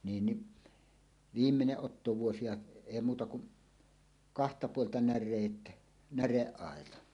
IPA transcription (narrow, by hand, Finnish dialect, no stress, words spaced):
niːn ni ʋiːmːeneʔ ʔotːoʋuosi jɑ eˑi muːtɑ kuʔ kɑhtɑ puoltɑ nærˑeːt næreʔːɑˑetɑ